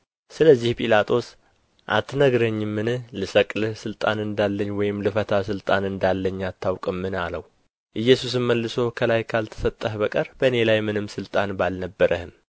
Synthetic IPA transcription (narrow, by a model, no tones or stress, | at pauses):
sɨləzːihpʼilat̪ʰo̞s | ʔa̰t̪ʰːnəɡɾəɲːɪmːɨnɨhlɨsəkʼlɨhsɨlt̪ʼanɨnd̪alːəɲːwɔjɪmlɨfət̪ʰasɨlt̪ʼanɨnd̪alːəɲːat̪ʰːawkʼɨmːɨnaləw | ʔɨjːɛsus̬ɨmməlːɨsokʰəlajkʰalt̪ʰə̥sət̪ʼːəhbəkʼəɾb̥əne̞lajmɨnɨmsɨlt̪ʼanbalnəbːəɾʔəhɨm